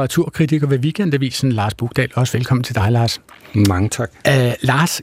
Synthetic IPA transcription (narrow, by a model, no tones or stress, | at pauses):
ʁɑ̈t͡sʰuɐ̰kʰʁit͡sʰiɡ̥ɐʋe̝ʋiɡ̥en̰d̥æʋḭːsn̩lɑ̈ːsb̥uɡ̥d̥ɛ̰ːlɒ̽səʋelkʰɒ̽m̰n̩t͡sʰe̝d̥ɑ̈ɪlɑ̈ːsmɑ̈ŋət͡sʰɑɡ̥lɑ̈ːs